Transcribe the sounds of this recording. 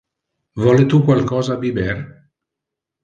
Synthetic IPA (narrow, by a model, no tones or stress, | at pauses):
vɔːlet̪ukwalkɔːzaːbibɛr